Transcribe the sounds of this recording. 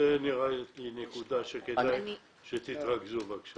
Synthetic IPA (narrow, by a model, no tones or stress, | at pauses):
eniʁaet̪linekud̪aʃekedaj | ʃet̪it̪ʁaɡzubakʃ